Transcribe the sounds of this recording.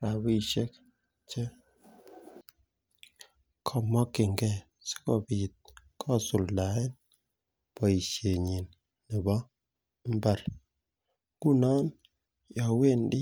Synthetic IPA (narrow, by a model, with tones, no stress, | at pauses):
ɾa˨bi˨ʃe˦k̚ | t͡ʃe˦ | kʰɔ˦˨mɔ˦ki˨ŋɡɛ˦˨ | si̥˦kɔ˨bi˨t̪̚ | kʰɔ˦˨su˨lla˨e˦n | pɔ˨i˨ʃje˨ɲi˨nː | i˨bɔ˦ | m̩˦ba˨ɾ | ɡu˦nɔ˦n | jɔ˨we˦˨ndi˦